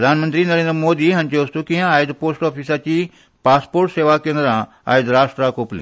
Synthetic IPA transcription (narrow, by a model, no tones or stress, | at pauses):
ɾɐd̪ʱaːnmə̃nt̪ɾinɐɾẽːnd̪ɾəmoːd̪iɦɐnt͡ɕeʋɐst̪ukijãaːjd̪poːsʈɔːfiːsat͡ɕiː | paːspoːɾʈseːʋakẽːnd̪ɾã | a̰ːjid̪ɾaːʂʈɾakoːplḭ